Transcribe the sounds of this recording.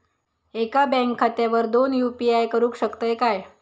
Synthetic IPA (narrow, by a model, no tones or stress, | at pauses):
ekabɛ̃ŋkʰːat̪jaʋəɾd̪onjupiajkəɾũːkɕəkt̪əjkaj